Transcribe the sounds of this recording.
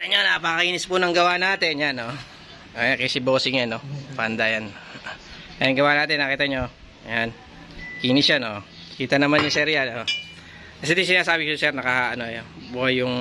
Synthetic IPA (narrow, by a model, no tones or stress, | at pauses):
ɐɲonɐpɐkɐiːnɪspʊnɐŋɡɐwanaːt̪ɛnjano | ojakɛsɪboːsɪŋjɐnopɐɐnd̪ajan | ɐjaŋɡɐwanaːt̪ɪnːakiːt̪ɐɲo | jan | kiːnɪsjanoʔ | kiːt̪ɐnɐmanːɐsɛɾjanʔo | kɐsɛd̪is̬ɪnaːsaːbɪkosɛɾnɐkahaʔɐnojobuajʊŋ